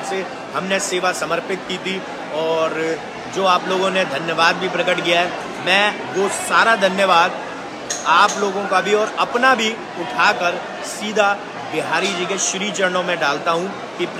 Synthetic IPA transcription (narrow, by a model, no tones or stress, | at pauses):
t̪se | hɐmneseːʋasɐməɾpɪt̪̚kiːt̪ʰi | ɔːɾ | d͡ʒoːaːploːɡõned̪ʱɐnjəʋaːd̪̚bʱipɾɐkəʈkijaɦɛ | mɛ̃ː | ʋoːsaːɾad̪ʱɐnjəʋaːd̪̚ | aːploːɡõkabʱiɔːɾɐpnabʱi | ʊʈʰaːkəɾ | siːd̪ʱa | bɪɦaːɾid͡ʒiɡeʃɾiːt͡ʃəɾnõmẽɖaːlt̪aɦũ | kip